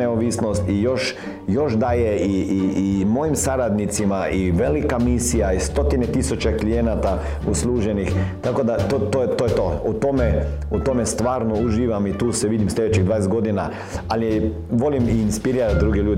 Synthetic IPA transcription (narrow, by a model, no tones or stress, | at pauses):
eoʋisnost̪ijo̞ʃ | jo̞ʃd̪aːjeiːmo̞jimsaɾad̪nit̪simaiʋelikamisijaist̪o̞t̪inet̪isut͡ʃeklijenat̪a | uslˠuːʒenixt̪ako̞d̪at̪ot̪ojt̪ojet̪out̪ome | ut̪o̞mest̪ʋaːɾnouʒiːʋamit̪uːsɛʋid̪imslʲʎed̪et͡ʃiɣd̪ʋaːnesɡo̞d̪ina | ali | ʋo̞limiːnspiɾiːɾat̪̚d̪ɾuɡeʎuːd̪